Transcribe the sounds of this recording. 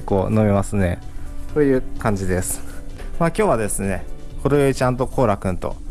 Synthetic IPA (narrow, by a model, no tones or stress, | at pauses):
kːoːno̞mʲimasɨne̞t̪oːjɯ̟ːkãɲ̟d͡ʑid̪e̞sɨ̥maːkʲo̞ːβad̪e̞sɨne̞kʰo̞ɾejoit͡ɕãnt̪o̞kʰo̞ːɾakɯ̟̃nt̪o̞̰